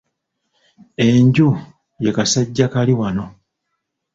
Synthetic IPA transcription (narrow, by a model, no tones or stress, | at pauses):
e̞ɲɟu | je̞kasaɟːakaliwano̞